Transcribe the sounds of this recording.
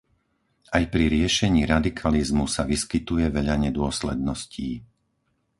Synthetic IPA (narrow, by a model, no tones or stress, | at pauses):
ajpɾiɾɪɛʃɛɲiːɾad̪ikʰalizmusaʋiskit̪ujɛʋɛʎaɲɛd̪ʊɔslɛd̪̚nɔsciː